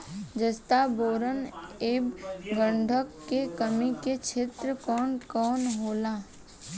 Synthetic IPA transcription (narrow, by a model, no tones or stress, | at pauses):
d͡ʒəst̪aboːɾəneːbɡə̃ɳɖʱəkːekəmiket͡ʃʰet̪ɾəkɔːnkɔːnɦoːlaː